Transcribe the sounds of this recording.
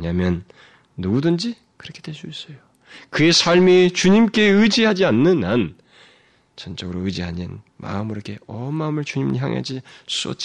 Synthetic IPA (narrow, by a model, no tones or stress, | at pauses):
ɲamjʌnː | uɡudɯnd͡ʑi | kɯɾʌkʰe̞d̥we̞ɭs͈uis͈ʌjo | kɯe̞sʰaɭmit͡ɕuɲimk͈e̞ɯd͡ʑiɦad͡ʑianːɯnan | t͡ɕʌnt͡ɕ͈ʌɡɯɾoɯd͡ʑiɦaɲḭn | ma̰ɯmiɾokʰe̞ʌmːaɯmɯɭt͡ɕuɲimçja̰ŋḛd͡ʑis͈uʌ̰t̚t͡ɕ͈i